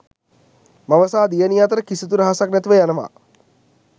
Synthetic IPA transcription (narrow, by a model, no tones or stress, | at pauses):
maʋəsaːd̪ijənijat̪əɾəkisit̪uɾaɦasaknɛt̪iʋəjanəʋa̰